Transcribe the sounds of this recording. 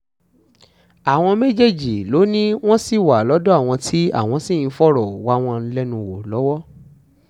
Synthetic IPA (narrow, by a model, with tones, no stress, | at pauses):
a˨w̃ɔ̃˧me˦d͡ʒe˦d͡ʒi˨lo˨˦nĩ˦w̃ɔ̃˦si˦˨wa˨lɔ˨˦dɔ˦a˦˨w̃ɔ̃˧tʰi˦a̰˦˨w̃ɔ̃˧si˦˨n̩˨˦fɔ˦ɾɔ˨wa˦w̃ɔ̃˧˦lɛ˦nũ˧wo˨lɔ˨˦wɔ˦